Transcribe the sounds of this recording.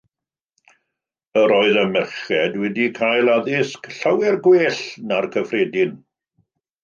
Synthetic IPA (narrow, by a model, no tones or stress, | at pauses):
əɾɔːɨðəmɛrχɛdwɛdikʰajlˠaðɪskɬawɛrɡweːɬnarkʰəfreːdɪn